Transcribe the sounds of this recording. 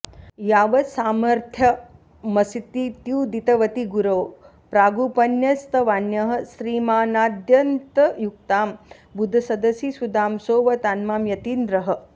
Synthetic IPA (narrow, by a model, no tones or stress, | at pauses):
jaːʋɐsaːmɐɾt̪ʰjɐ | mɐsit̪it̪juːd̪it̪ɐʋɐt̪iɡuɾoː | pɾaːɡuːpɐnjɐst̪ɐʋaːnjɐɦɐ̆sɾiːmaːnaːd̪jɐnt̪ɐjuk̚t̪aːm | bud̪ʱɐsɐd̪ɐsisud̪aːmsoːʋɐt̪aːnmaːmjɐt̪iːnd̪ɾɐɦɐ̆